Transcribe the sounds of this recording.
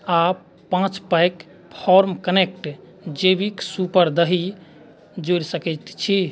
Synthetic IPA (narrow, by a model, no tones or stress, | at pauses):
a | pãt͡ʃpajk | pʰɔɾmkənek̚ʈ | d͡ʒebiksupəɾd̪əɦi | d͡ʒoɾsəkɛt̪t͡ʃʰi